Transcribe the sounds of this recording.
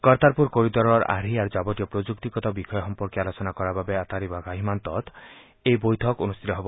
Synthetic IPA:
kɔɾt̪aɾpuɾkoɾit̪ɔɾɔɾa̰ɾiaɾd͡ʒabɔt̪ijɔpɾod͡ʒuk̚t̪ikɔt̪ɔbikʰɔjɔxɔmpɔɾkjialɔsɔnakɔɾababeat̪aɾibaɡaɦimant̪ɔt̪ | ejbojt̪ʰɔkonust̪ʰit̪ɔɦebɔ

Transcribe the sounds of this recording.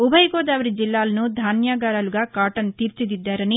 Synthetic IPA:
ubʱɐjɡɔːd̪aːʋɐɾid͡ʒilːaːlɐnud̪ʱaːnjaːɡaːɾaːluɡaːkaːʈɐnt̪iːɾt͡ʃid̪id̪ːaːɾɐni

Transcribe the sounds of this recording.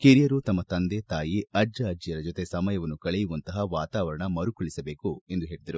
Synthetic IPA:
keɾijɐɾut̪ɐmːɐt̪ɐnd̪et̪aːjiɐd͡ʒɐːd͡ʒijɐɾɐd͡ʒot̪e̞sɐmɐjɐʋɐnːukɐɭejuʋɐnt̪ɐɦɐʋaːt̪aːʋɐɾɐɳɐmɐɾukuɭisɐbe̞ːkue̞nd̪uɦe̞ːɭid̪ɐɾu

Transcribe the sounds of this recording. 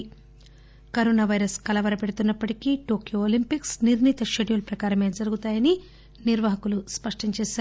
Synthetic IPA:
kɐɾoːnaːʋɐjɾɐskɐlɐʋɐɾɐpe̞ɽut̪unːɐpːɐʈikiʈoːkjooːlimpiksniɾnit̪ɐʃeɖijulɐpɾɐkaːɾɐmed͡ʒɐɾuɡut̪aːjɐni | niɾʋɐɦɐkuluspɐʂʈɐɲt͡ʃeːsaː

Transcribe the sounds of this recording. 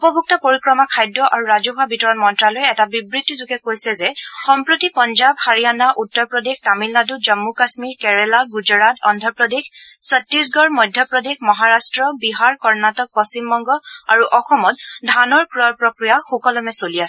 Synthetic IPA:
upɔbʱuk̚tɔpoɹikɹɔmakʰajdːɔʔaɹuɹazuɦabitɔɹɔnmɔntɹalojɛtabibɹitːizuɡɛkojsɛzɛxɔmpɹotipɔnzabhaɹijanaʔutːɔɹpɹɔdextamilnadud͡ʒɔmːukasmiɹkɛɹɛlaɡud͡ʒɔɹatɔ̰ndʱɔpɹɔdexsɔtːɹis̬ɡɔɹmɔjdʱjɔpɹɔdexmɔɦaɹastɹɔbiɦaɹkɔɹnatɔk̚pɔst͡ʃimbɔŋɡɔa̰ɹuʔɔxɔmɔt̚dʱanɔɹkɹɔpɹɔkɹijaxɔkɔlɔmɛsoliasɛ

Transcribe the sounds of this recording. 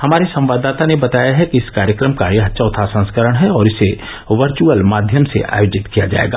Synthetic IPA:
hɐmaːɾesɐ̃mʋaːd̪ːaːt̪anebɐt̪aːjaɦɛkiɪskaːɾjəkɾəmkaːɾjəɦɐt̪ːʃʰaʊt̪ʰasɐ̃nskəɾəɽ̃ɦɛɔːɾɪse | ʋɐɾt͡ʃuəlmaːd̪ʱjəmsḛʔʔa̰ːjoːd͡ʒɪt̪kijad͡ʒa̰ːḛːɡa̰ː

